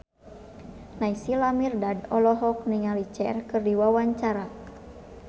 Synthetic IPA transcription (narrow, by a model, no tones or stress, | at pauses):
naisilamirdadɔlɔɦɔk̚niŋalit͡ʃɛrkɨrdiwawaɲt͡ʃaɾa